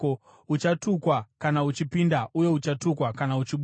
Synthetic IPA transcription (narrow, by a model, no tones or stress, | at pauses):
o | ut͡ʃatukwakanaut͡ʃipindaʔuje̞ut͡ʃatukwakanaut͡ʃiɓ